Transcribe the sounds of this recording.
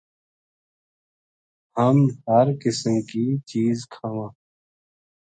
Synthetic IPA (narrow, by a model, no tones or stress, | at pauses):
həmhəɾkɪsəmkit͡ʃiːzkʰaːʋãː